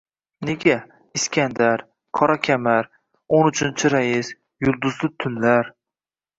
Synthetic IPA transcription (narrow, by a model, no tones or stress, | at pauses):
ne̞ɡʲa | ɪskʲand̪aɾ | qʰɒɾakʲʰamaɾ | onʊt͡ʃʰɪnt͡ʃʰɪɾajɪs | jʊlˠd̪ʊzlɪt̪ʰʊnlaɾ